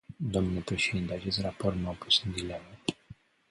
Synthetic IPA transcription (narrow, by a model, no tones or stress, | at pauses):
d̪omnlepɾeʃed̪int̪eat͡ʃest̪ɾaport̪maopusɨnd̪ilemə